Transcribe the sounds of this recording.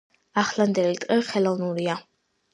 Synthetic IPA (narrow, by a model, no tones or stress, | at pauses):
aχland̪ɛlit̪ʼqʼɛχɛlˠɔvnuɾia